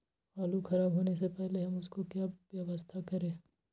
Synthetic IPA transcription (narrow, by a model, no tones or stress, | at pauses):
aːluxʰɐɾaːbɦoːnesepɛɦleɦɐmʊskokjaːʋjɐʋəst̪ʰakɐɾẽː